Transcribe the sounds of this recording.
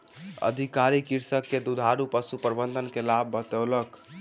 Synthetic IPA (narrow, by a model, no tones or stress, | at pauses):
ə̰d̪ʱikaɾikiɾsəkːed̪ud̪ʱaɾupəsupɾbənd̪ʱənkelabːət̪ələk